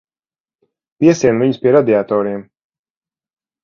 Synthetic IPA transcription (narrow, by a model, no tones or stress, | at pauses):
piɛsiɛnviɲuspiɛɾad̪iat̪ɔːɾiɛm